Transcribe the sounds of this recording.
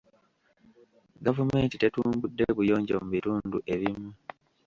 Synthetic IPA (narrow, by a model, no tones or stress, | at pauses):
ɡavume̞ːntite̞tuːmbudːeβujo̞ːɲɟo̰muβituːnduʔe̞βimu